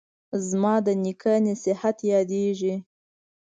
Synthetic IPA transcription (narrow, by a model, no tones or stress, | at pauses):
zmɑd̪ənikʰanesɪhat̪jɑd̪eʒi